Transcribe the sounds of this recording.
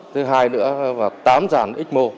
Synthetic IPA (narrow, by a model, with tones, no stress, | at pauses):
t̪ʰɨ˨˦ɦaː˧jnɨ̰˧˥əvaː˨˩wt̪aː˨˦mzaː˧˩nʔi˦˥k̟̚mo˧